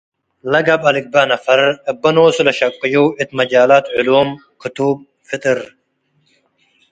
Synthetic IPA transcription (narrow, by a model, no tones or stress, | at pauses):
lɐɡɐbɐlik̚baːnɐfɐɾəbɐnoːsulɐɕɐkqːijoit̪mɐd͡ʑaːlaːt̪ʕʊluːm | kʰɨt̪uːb̚ | fit̪ɨɾ